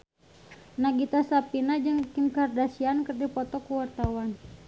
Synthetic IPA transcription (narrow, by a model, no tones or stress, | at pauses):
naɡit̪asapinad͡ʒəŋikinkardasiankərdipɔt̪ɔkuwart̪awan